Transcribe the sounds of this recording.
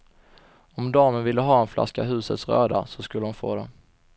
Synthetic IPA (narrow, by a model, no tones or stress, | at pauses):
ɔmd̪ɑːmənvɪlːəɦɑːɛnfla̰skaɦʉ̟ːsət̪sɾø̰ːd̪a̰sɔskɵlːʊmfo̰ːd̪ɛ